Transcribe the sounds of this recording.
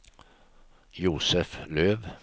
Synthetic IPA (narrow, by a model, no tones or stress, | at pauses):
juːsəfløːʋ